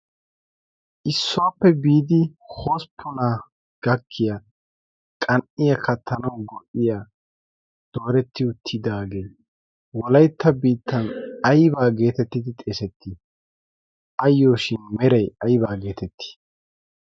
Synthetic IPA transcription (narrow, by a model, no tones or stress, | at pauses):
ʔɪsːʊwaːpːɛbiːd̪ɪho̞ːspʰːʊna | ɡ̥ɐkʰːɪja | kʼɐnʔɪjɐkɐt̪ʰːɐnɐwɡɔʔɪjaː | d̪̥o̞ːɾɛt̪ʰːɪʊt̪ʰːɪd̪aːɡej | wɔlɐjt̪ʰːɐbiːt̪ʰːɐnɐjbaːɡe̞ːt̪ɛt̪ːɪd̪ɪt̪ʼe̞ːsɛt̪ʰːɪ | ʔɐjːoːʃɪnmɛɾɐjɐjbaːɡe̞ːt̪ɛt̪ʰːɪ̥